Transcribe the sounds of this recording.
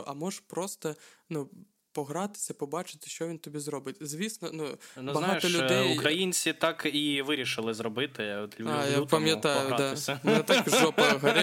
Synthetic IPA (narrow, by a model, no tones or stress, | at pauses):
ʔɐmɔʐpɾɔst̪ɐ | nu | pɔɣɾɑt̪ɪ̥sʲɐpɔbɑt͡ʃɪ̥t̪ɪ̥ʃt͡ʃɔʋʲint̪ɔbʲizɾɔbɨtʲzʲʋʲisnɔnunbɐɦaɔlʲʊɛjukɾɐjinʲt͡sʲsʲit̪akiʋɪɾʲɪʂɨlˠɪzɾɔbɪt̪ɪɔt̪ʲajapɐmʲjɐt̪ajʊd̪amnɛt̪akʒɔpɐɦɐɾɪ